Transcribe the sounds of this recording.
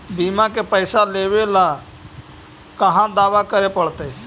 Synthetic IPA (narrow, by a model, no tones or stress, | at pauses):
biːmãːkeːpəɪsaːleːʋeːlãː | kəɦãːd̪aːʋaːkəɾeːpəɽt̪eː